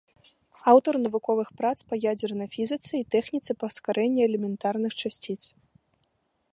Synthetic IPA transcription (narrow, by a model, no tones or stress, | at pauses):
awt̪ɐrnɐvukɔvɨxpɾat̪spɐjad͡zʲɛrnɐjfʲizɨt̪sɨit̪ɛxnʲit̪sɨpɐskaɾʔɛnʲːiɛlʲɛmʲɛnt̪arnɨxt͡ʂasʲt͡sʲit̪s